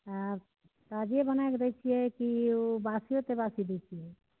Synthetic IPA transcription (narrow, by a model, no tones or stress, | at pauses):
a | t̪ad͡ʒijebənajkd̪ɛt͡ʃʰijɛkiobasijot̪ebasid̪ɛt͡ʃʰijɛ